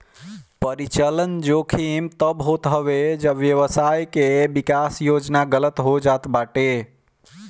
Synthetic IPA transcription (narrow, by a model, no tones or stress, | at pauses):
pəɾit͡ʃələnd͡ʒokʰimt̪əbɦot̪ɦəʋed͡ʒəʋjəʋəsajkebikasjod͡ʒnaɡələt̪ɦod͡ʒat̪baʈe